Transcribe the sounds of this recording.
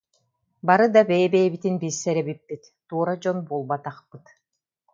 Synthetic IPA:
baɾɯd̪abɛjɛbɛjɛbit̪inbisːɛɾɛbipːit̪ːuɔɾad͡ʑɔnbulˠbat̪aχpɯt̪

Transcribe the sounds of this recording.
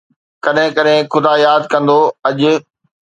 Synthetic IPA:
kɐɗɦɪ̃kɐɗɦɪ̃xʊd̪aːjaːd̪kɐ̃nd̪oɐʄʊ̆

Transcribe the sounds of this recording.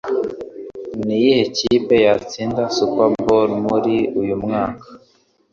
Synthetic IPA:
nijihecipe̞jat͡siːndasupabolmuɾiujumŋaːkḁ

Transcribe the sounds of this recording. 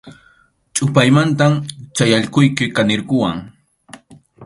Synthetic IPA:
t͡ʃʼʊpajmant̪amt͡ʃajaʎqʊjkɪkanɪɾɢʊwaŋ

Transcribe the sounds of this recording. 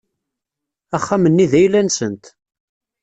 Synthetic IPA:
æχːæmənːiðæjlænsənt̪

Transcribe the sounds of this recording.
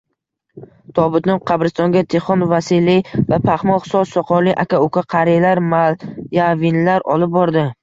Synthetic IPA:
t̪ʰɒbɪt̪nɪqʰɑbɾɪst̪ɒŋɡʲat̪ʰeχɒnvasilivapʰaχmɒχsɒsɒqʰɒɾlɪʔakʲʰaʊkʲʰaqʰɑɾijalaɾmajavinlaɾɒ̰lɪp̚bɒɾd̪ɪ

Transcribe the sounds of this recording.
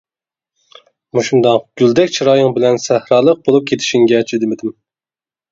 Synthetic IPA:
muʃund̪ɑŋɡ̥ʲyld̪ɛkʲt͡ʃʰiɾɑːjɨŋbɪlɛnsæhɾɑːlˠəq̚bolˠup̚kʲʰet̪ʰɪ̥ʃiŋɡʲɛt͡ʃʰid̪ɪmɪd̪ɪm

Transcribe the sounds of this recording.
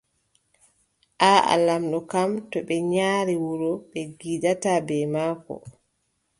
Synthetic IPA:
ʔaa̰lamɗɔkamtɔɓɛɲaːɾiwuɾɔɓɛɡidatabɛmaːkɔ̰

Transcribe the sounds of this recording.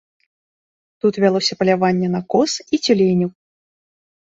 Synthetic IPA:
t̪ut̪vʲalˠɔsʲɐpɐlʲavanʲːɛnɐkɔsit͡sʲulʲenʲuw

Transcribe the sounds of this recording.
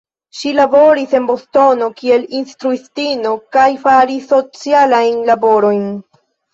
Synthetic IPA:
ʃilabo̞ɾise̞nbo̞sto̞no̞kie̞linstɾuistino̞kajfaɾisːo̞t͡sialajnlabo̞ɾo̞jn

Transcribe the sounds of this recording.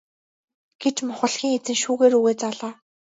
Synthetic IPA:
ɡ̥et͡ɕmʊχə̆ɮxʲiːŋet͡sɘ̆ŋʃuːɣeːɾuɣeːt͡saɮaː

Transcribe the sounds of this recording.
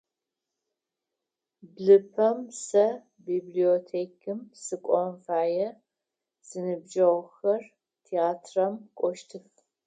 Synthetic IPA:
bɮɨpʰɐmsɐ | biːbliotʰeːkʰɨmsɨkʷʼɔmfaːjɛ | z̥ɨnɨbd͡ʒɐʁxɐr | tʰeaːtʰrɐmkʷʼɔʃtʰɨf

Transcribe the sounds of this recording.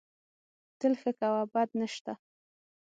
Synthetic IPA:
t̪əlxəkawabad̪̚nəʃt̪a

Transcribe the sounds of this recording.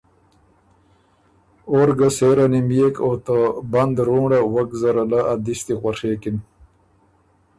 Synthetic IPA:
oːɾɡaseːɾanimijekot̪əbɐnd̪ɾuːɖawɐkzɐɾalaad̪ist̪ixwaʂeːkin

